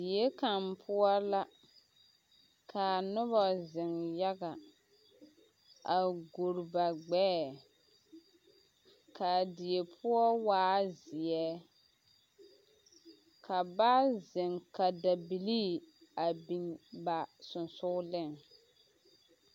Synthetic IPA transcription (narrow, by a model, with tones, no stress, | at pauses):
di˨je˦ka˨mpʰʊ˦ɔ˦la˦ | kʰa˨nʊ˦βɔ˨zɪ˨ŋja˦ɡa˨ | a˨ɡo˨ɾba˨ɡ͡bɛː˦˨ | ka˨di˨e˨pʰʊ˦ɔ˦waː˦zɪ˨jɛ˦ | kʰa˨ba˦zɪ˨ŋka˨da˨bi˨liː˦a˨bi˨nba˨sʊ˨nsʊ˦lɪ˦˨ŋ